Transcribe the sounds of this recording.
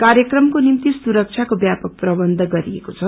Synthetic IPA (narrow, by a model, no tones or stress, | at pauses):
kaɾjʌkrʌmkonimt̪isuɾʌk̚t͡sʰjakobjapʌk̚prʌbʌnd̪ʱʌɡʌɾiḛkot͡sʰʌ